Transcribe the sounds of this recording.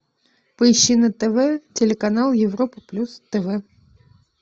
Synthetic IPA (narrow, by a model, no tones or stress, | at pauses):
pəɪɕːinət̪ɛvɛtʲɪlʲɪkɐnalˠjɪvropɨplʲust̪ɛvɛ